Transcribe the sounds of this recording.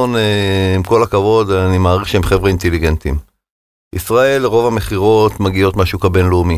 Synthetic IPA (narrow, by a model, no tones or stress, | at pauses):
oneimko̞lakavo̞d̪animaːʁiχʃeemχevʁeint̪eliɡent̪ḭm | ʔisʁae̞lʁo̞vame̞χiʁo̞t̪maɡio̞tmaʃukabenlumi